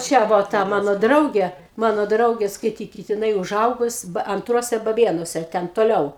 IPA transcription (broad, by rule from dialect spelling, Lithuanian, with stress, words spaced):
ˈt͡ʃʲɛ ˈʋoː ˈtɐ ˈmɑːnoː ˈdrɐʊɡʲeː ˈmɑːnoː ˈdrɐʊɡʲeː skɐɪˈtʲiːkʲɪt jɪˈnɐɪ ʊˈʒɐʊɡʊs ɐnˈtruɔsʲɛ bɐˈbʲeːnuɔsʲɛ ˈtʲɛn toːˈlʲɛʊ